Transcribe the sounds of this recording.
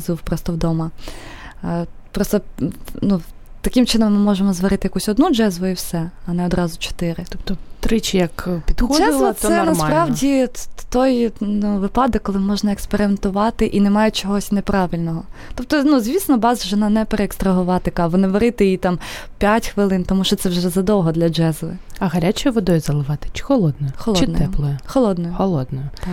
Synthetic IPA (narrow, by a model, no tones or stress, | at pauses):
zuwpɾɔst̪ɔwd̪ɔmɐ | pɾɔst̪ɔnu | t̪ɐkʲɪmt͡ʃɪnɔmːɪmɔʒemɔzʋɐɾɪt̪ɪjɐkusʲɔd̪nud͡ʒɛzʋʊiwsɛɐnɛɔd̪ɾɑzʊt͡ʃɔ̥t̪ɪɾɪt̪ɔpt̪ɔt̪ɾɪt͡ʃɪjɐkpʲid̪xɔʒɛzˠʋɔɛnɐspɾɑʋdʲit̪ɔjnuʋɪpɑd̪ɔkkːɔlˠɪmɔʒnɐekspeɾɪment̪ʊʋɑt̪ɪʔinɛmɑjʊt͡ʃɔɦɔsʲnepɾɑʋɪlʲnɔɦɔt̪ɔp̚t̪ɔnuzʲʋʲisnɔbɑzʒɛɔnɑnɛpeɾeːkst̪ɾɐɦʊʋɑt̪ɪkɑʋɔnɪʋeɾɪt̪ɪjit̪ɑmpʲjatʲxʋɪlˠɪnt̪ɔmuʃt͡ʃɔt̪sɛwʒɛzɐd̪ɔwɦɔd̪lʲɐd͡ʒɛzlˠɪ̰ɐɦɐɾʲat͡ʃɔjʋɔd̪ɔjʊzɐlˠɪʋɑt̪ɪ̥t͡ʃɪ̥xɔlˠɔd̪nɔjʊxɔlˠt͡ʃɔɪd̪nt̪ɛplˠɔjɛxɔlˠɔd̪nɔjʊxɔlˠɔd̪nɔjʊ